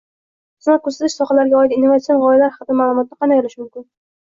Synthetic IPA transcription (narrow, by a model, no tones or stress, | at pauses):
snakʰɵsat̪ɪʃsɒχalaɾɡʲaɒɪd̪inːovat̪sionʁɒjalaɾhɑqd̪amaːlˠʊmɒt̪̚naqʰɑmajlɪʃmʊmkʲɪn